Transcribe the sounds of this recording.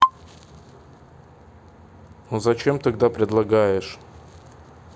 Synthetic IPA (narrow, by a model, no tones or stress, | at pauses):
nozɐt͡ɕemt̪ɐɡd̪apɾʲɪd̪lˠɐɡajɪʂ